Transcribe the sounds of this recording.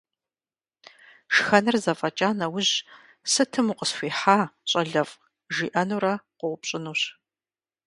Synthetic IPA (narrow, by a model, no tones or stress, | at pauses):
ʂxɐnɨrzɐfʼɐt͡ʃʼaːnɐwʊʑ | sɨtʰɨmuqəsxʷiːħaːɕʼɐɮɐfʼ | ʒiːʔɐnuːɾɐqʷʊwʷʊpɕʼɪnuːɕ